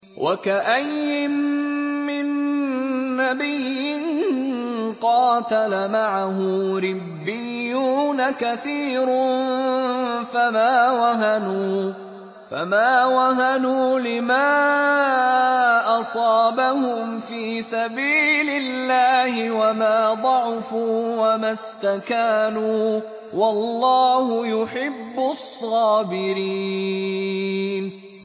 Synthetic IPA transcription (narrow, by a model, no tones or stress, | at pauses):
wʔa̰kaʔajːɪmː | ɪnː | abɪjɪnnqɑːt̪alamaʕaɦʊɾɪbbːɪjːuuːnakaθiːɾʊ | famaːwaɦanuː | fa̰maːwaɦanuːlɪmaː | ʔɑsˤɑːbahʊmfiːsabiːlɪlːaːhɪwamaːd̪ˤɑʕfuːwamast̪akaːnuː | wɑlːɑːhʊjʊħɪbːʊsˤːɑːbɪɾiː | n